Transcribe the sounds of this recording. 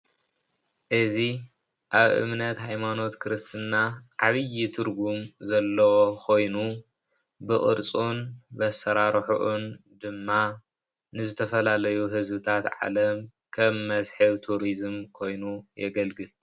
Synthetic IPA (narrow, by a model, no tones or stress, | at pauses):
ʔɨzi | ʔaβʔɨ̰mnɐt̪hajmano̞t̪kʰɨɾɨst̪ʰɨnːaʕaβɨjːit̪ʰɨɾɡumzɐlːɐwokʰo̞jnu | bɨχʼɨ̰ɾt͡sʼunbɐsɐɾaɾħuʔund̪ɨmːa | nɨzɨt̪ʰɐfɐlalɐjuɦɨzbɨt̪ʰat̪ʕa̰lɐm | kʰɐmːɐzħɨβt̪ʰuɾizɨmkʰo̞jnujɛɡɐlɡɨl